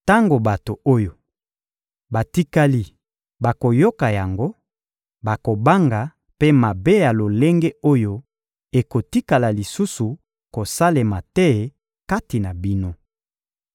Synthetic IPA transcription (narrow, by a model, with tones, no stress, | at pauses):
ta˦ŋɡo˨ba˨to˨o˦jo˨ | ba˨ti˦ka˦li˨ | ba˨ko˨jo˦ka˨ja˨ŋɡo˦ | ba˨ko˨ba˦ŋɡa˨ | pe˦ma˨be˦ja˨lo˨le˦ŋɡe˦o˦jo˦ | e˨ko˨ti˦ka˨la˨li˨su˦su˨ | ko˨sa˦le˨ma˨tɛ˦ | ka˦ti˨na˨bi˦no˦